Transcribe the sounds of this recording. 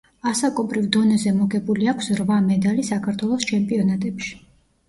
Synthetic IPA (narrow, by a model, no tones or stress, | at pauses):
asakʼɔbɾivd̪ɔnɛzɛmɔɡɛbuliakʷʰsɾvamɛd̪alisakʰaɾt̪ʰwɛlˠɔst͡ʃʰɛmpʼiɔnat̪ʼɛpʃi̥